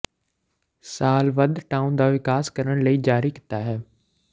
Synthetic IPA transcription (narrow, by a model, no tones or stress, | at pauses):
saːlʋɐd̪ʈaːʊnd̪aʋɪkaːskɐɾəɽ̃ləid͡ʒaːɾikɪ̥t̪aɦɛː